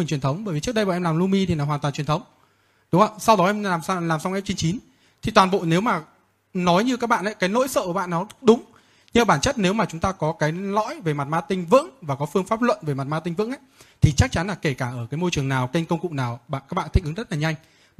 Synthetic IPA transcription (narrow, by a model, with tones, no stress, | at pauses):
ŋt͡ɕi˨˩nt̪ʰə˨˦wŋ͡mɓəː˧˩jvi˨˩t͡ɕɨ˦˥ək̚ɗja̰˧˨ʔɛ˧mlaː˨˩mlu˧mi˧t̪ʰi˨˩n˨˦waː˨˩t̪waː˨˩nt͡ɕi˨˩ənt̪ʰwŋ͡m | ɗʊ˨˦ŋ͡mŋə˧˨sa˧wɗɔ˨˦ʔɛ˧maː˨˩mslaː˨˩msa˧wŋ͡mkɛ˦˥t͡ɕi˧ŋt͡ɕi˨˦n | t̪ʰi˨˩t̪waː˨˩nɓo̰˧˨ne˨˦wmaː˨˩ | nɔ˨˦jɲɨ˧kaː˦˥k̚ɓa̰ː˧˨ʔə˨˦jkaː˨˦jno̰˧˥jsə̰ː˧˨kːɓ̰aː˧˨nːɔ˨˦ɗʊ˨˦ŋ͡m | ɲɨ˧ɓaː˧˩nt͡ɕə˦˥t̚ne˨˦wmaː˨˩t͡ɕʊ˨˦ŋ͡mt̪aː˧kɔ˨˦kaː˨˦jlɔ̰˧˥jve˨˩ma˨˩t̚maː˧t̪ï˧ŋ̟vɨ̰˧˥ŋvaː˨˩kɔ˨˦fɨ˧əŋfaː˦˥p̚lwə̰˧˨nve˨˩ma˨˩t̚maː˧t̪ï˧ŋ̟vɨ̰˧˥ŋʔə˧˦jt̪ʰi˨˩t͡ɕa˦˥k̚t͡ɕa˨˦nlaː˨˩ke˧˩kaː˧˩ʔəː˧˩kaː˨˦jmo˧jt͡ɕɨ˨˩əŋnaː˨˩wke˧ŋ̟kə˧wŋ͡mkʊ̰˧˨ŋ͡mnaː˨˩wɓa̰ː˧˨kaː˦˥k̚ɓa̰ː˧˨t̪ʰï˦˥k̟ɨ˨˦ŋzə˦˥t̚laː˨˩ɲa˧jŋ̟